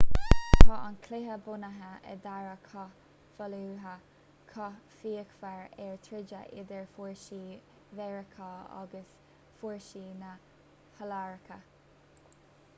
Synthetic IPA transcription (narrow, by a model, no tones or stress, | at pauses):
t̪ʰɑːʔankʰlɪɦəbʊnəɦəə̰d̪aɹəkʰɑ | fəluːɦə | kʰɑfiːəkfaɹɛɹt̪ʰɾɪd͡ʒəʔɪd̪əɹfuɹʃiː | vɛɹəkʰɑɑ̰ɡəs | fuɹʃiːnə | həlaɹkʰə